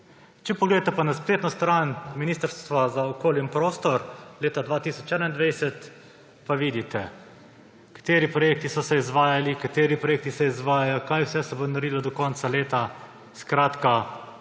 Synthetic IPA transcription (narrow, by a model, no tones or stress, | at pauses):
t͡ʃɛpɔɡleːd̪at̪ɛpanaspɾeːt̪nɔst̪ɾanminiːst̪əɾst̪t̪ʋazaɔkoːlinpɾoːst̪ɔɾleːt̪ad̪ʋaːt̪iːsɔt͡ʃɛnaind̪ʋɛjsɛt̪ | paʋiːd̪it̪ɛ | kḁt̪eːɾipɾɔjeːk̚t̪isɔsɛizʋaːjalikat̪eːɾipɾɔjeːk̚t̪isɛizʋaːjajɔkajwsɛsɛbonaɾiːlɔd̪ɔkɔnt̪saleːt̪a | skɾaːt̪ka